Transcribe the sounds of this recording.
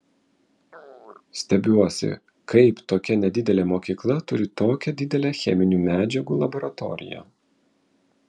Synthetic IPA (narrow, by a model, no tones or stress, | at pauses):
sʲt̪ʲɛbʲuɔsʲɪ̰ | kɐɪpt̪oːkʲɛnʲɛd̪ʲɪd̪ʲɛlʲemoːkʲiːklˠɐt̪ʊɾʲɪt̪oːkʲɛd̪ʲɪd̪ʲɛlʲexʲɛmʲɪnʲuːmʲæːd͡ʒʲɛɡuːlˠɐbɔɾɐt̪ɔ̰ɾʲɪ̰jɛ̰ː